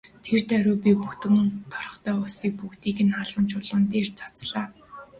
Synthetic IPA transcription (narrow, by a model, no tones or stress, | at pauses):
t̪ʰert̪œɾʊːpʲipuxt̪ɘ̆ŋt̪ʰɔ̥rɞ̆χt̪ʰœːʊsiːk̚puxt̪iːkɘ̆naɮə̆mt͡ɕʰʊɮʊ̆nt̪eːrt͡sḁt͡sɮaː